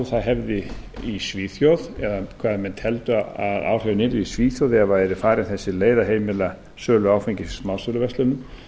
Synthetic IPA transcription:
θaðɦɛvðɪ | isviːθjowðɛðakʰv̥aːðmɛnt̪ʰɛlt̪ʏaða̰ːwr̥ɛvnɪːɾɪisviːθjowðɛvaɛɾʏfaːɾɪnθɛsːɪleːjðaɦeːjmɪla | sœːlʏaːwfejɲcɪsmaw̪sœlʏvɛst̪lʏnːʏm

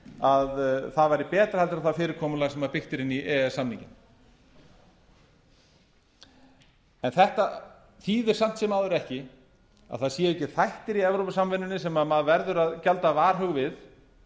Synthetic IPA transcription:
aðθaðvajɾɪpɛːt̪ɾḁhalt̪ɪɾaθafɪːɾɪɾ̥kʰɔːmʏlaɣsɛmvaɾpɪxt̪ɪɾɪniɛːasamniɲcɪn | ɛnθɛht̪a | θiːðɪɾ̥sam̥t̪sɛmaːwðʏɾɛhcɪ | a̰ðθaðsjɛːɛhcːɪθajht̪ɪɾiɛvɾowpasamvɪnːʏnːɪsɛmaðmaðvɛɾðʏɾaðcalt̪avaːɾ̥hœɣvɪð

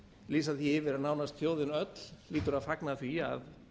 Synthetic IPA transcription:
liːs̬aθiɪvɪɾaðnaːwnast̪fjoːwðɪnœt̪l̥liːt̪ʏɾaðfaknaθvia̰ð

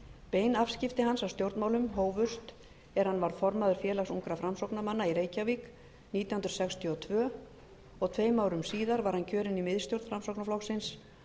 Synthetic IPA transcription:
peːjnafscɪft̪ɪɦansawst̪jowɾt̪mawlʏmɦoːwvʏst̪ | ɛɾ̥hanːvaɾfɔɾmaðʏɾ̥fjɛːlaxsuŋkɾafɾamsowknamanːaiɾeːjcavik | niːt̪jawhnɾsɛkst̪ʰiɔt̪ʰvœː | ɔɣt̪ʰveːjmawɾʏmsiːðaɾvaɾ̥hancʰœːɾɪnimɪðst̪jowɾt̪fɾamsowknaflɔxsɪns

